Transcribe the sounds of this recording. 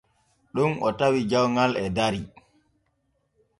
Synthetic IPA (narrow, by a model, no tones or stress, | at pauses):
ɗumʔɔtawid͡ʒawŋalɛdaɾi